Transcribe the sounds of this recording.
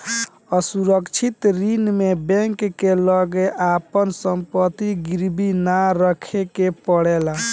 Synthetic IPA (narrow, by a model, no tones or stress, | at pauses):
əsuɾəkt͡ʃʰit̪ɾinmebɛ̃ŋkːeləɡeʔapənsəmpət̪iɡiɾbinaɾəkʰekepəɽɛla